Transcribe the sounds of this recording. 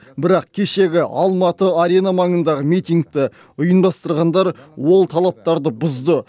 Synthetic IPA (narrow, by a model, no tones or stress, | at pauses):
bɪɾɑq̚kʲʰe̞ʃe̞ɡʲɪʔɑlˠmɑt̪əaɾe̞namɑŋənd̪ɑʁəmijt̪iŋɡ̚t̪ɪ | ʊjənbɑst̪əɾʁɑnd̪ɑɾwo̞lˠt̪ʰɑlˠɑp̚t̪ɑɾd̪əbʊzd̪ə